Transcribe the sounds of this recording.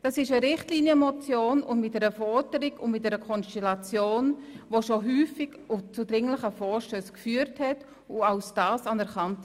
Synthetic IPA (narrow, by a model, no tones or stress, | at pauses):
d̥ɑsɪʃəɾɪχtliːnjəmɔt͡sjoːnʊndmɪt̚d̥ɛɾəfɔd̥əɾɪkʊnmɪt̚dɛɾəkʰɔnstɛlat͡sjoːnvoʃoɦyːfɪk | ʊt͡sudɾɪŋləχəfɔːɾʃtøːskfyːəɾthɛt | ʊaʊsd̥aːsɑnɛɾkɑnt